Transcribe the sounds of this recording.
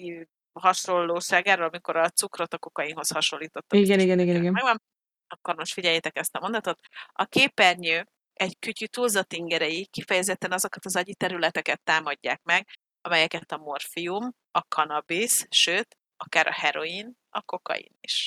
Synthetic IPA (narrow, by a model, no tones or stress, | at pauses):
i | hɒʃo̞lːoːʃaːɡaːɾolɒmiko̞ɾɒt̪sukro̞t̪ɒko̞kɒjinɦo̞shɒʃo̞lːiːt̪o̞t̪ːuiɡɛniɡɛniɡɛniɡɛnmɛɡɒm | ɒkːo̞ɾmoʃt̪fiɟɛjːɛt̪ɛkɛst̪ɒmo̞nd̪ɒt̪o̞t̪ɒkeːpːɛrɲøː | ɛɟkycyt̪ulzɒt̪iŋɡɛɾɛjikifɛjɛzɛt̪ːɛnɒzo̞kɒt̪ɒzɒɟit̪ɛɾylɛt̪ɛkɛt̪ːaːmɒɟːa̰ːkmɛɡ | ɒmɛjɛkɛt̪ɒmo̞rfium | ɒkʰɒnɒbisʃøːt̪ | ɒkaːɾʔɒ̰hɛɾo̞in | ɒko̞kɒ̰jḭnḭʃ